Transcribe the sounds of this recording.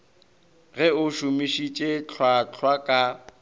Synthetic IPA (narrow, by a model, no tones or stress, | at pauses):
ɣɛʊʃʊmiʃit͡ʃʼet͡ɬʰwat͡ɬʰwakʼa